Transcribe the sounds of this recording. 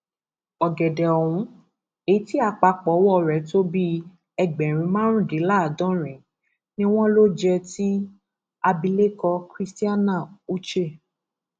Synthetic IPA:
ɔ˨ɡɛ˨dɛ˨ɔ˨w̃ũ˨˦ | e˨˦ti˦a˧k͡pa˧˦k͡pɔ˨˦wɔ˦˨ɾɛ˨˦to˦bi˦ | ɛ˧ɡ͡bɛ˨ɾ̃ĩ˧˦mã˦ɾ̃ũ˦di˨˦la˦˨dɔ̃˦ɾ̃ɛ̃˨˦ | nĩ˦w̃ɔ̃˦lo˦d͡ʒɛ˧ti˦ | a˧bi˧le˦kɔ˧kɾi˦sti˦a˦nã˦˨u˦t͡ʃe˦˨

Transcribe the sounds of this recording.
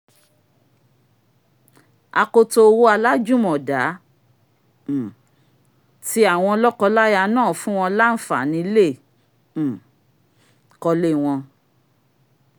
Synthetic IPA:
a˧ko˧to˧wo˦a˧la˦d͡ʒu˦mɔ̃˨da˨˦˨ | ti˦a˨w̃ɔ̃˧ɔ˧lɔ˦kɔ˧la˦ja˧nãː˦˨fũ˦w̃ɔ̃˧la˦n̩˦fa˨nĩ˨˧˦lẽ˦˨ | kɔ˧le˦w̃ɔ̃˧

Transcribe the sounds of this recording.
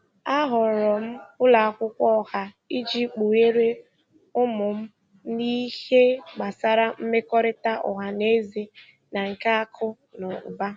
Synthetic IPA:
a˦ɦɔ˨ɾɔ˨m̩˦kʊ˦la˨a˨kʷʊ˦kʷɔ˦ha˨ | i˦d͡ʒi˦k͡pu˨e˦ɾe˦ | ʊ˦mʊ˨m̩˦ | ni˦he˦ɡ͡ba˨sa˦ɾa˦m̩˦me˦kɔ˦ɾɪ˦ta˦ʔɔ̰˨ɦa˨ne˦ze˨ | na˨ŋ̩˨ka˦a˦kʰʊ˦ | nɔ˨ʊ̰˨ba˦

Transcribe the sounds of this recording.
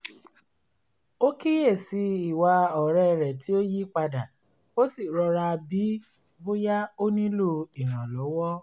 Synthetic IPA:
o˦ki˦je˦˨si˧˦i˨wa˧ɔ˨ɾɛ˦˨ɾɛ˨ti˨˦o˦ji˦k͡pa˧da˨ | o˦si˦˨ɾɔ˧ɾa˧bi˨˦ | bo˦ja˦o˦nĩ˦lo˦˨i˨ɾ̃ã˨lɔ˨˦wɔ˦

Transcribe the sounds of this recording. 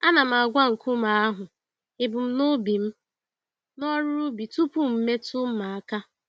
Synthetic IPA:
a˦na˨m̩˨a˨ɡʷa˦ŋ̩˨kʊ˦ma˨a˦ɦʊ˨ | ɪ˨bʊ˨m̩˦no˦bi˨m̩˦ | nɔ˦ɾʊ˦ɾu˦bi˨tu˦pu˦m̩˨˦me˦tu˦m̩˦ma˨a˦ka˦

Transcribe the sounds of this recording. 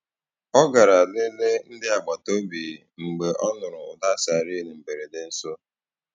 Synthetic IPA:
ɔ˦ɡa˨ɾa˨ne˦le˦n̩˦dɪ˦a˨ɡ͡ba˨to˦bi˨ŋ͡m̩˨ɡ͡be˨ʔɔ˦nʊ˨ɾʊ˨ʊ˨da˦sa˨ɾi˦ne˨m̩˨be˨ɾe˨dɪ˨n̩˦so˦

